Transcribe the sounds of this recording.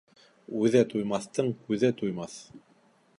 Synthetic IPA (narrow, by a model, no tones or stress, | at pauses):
ʉðæt̪ujmɑθt̪ɤɴkʉðæt̪ujmɑθ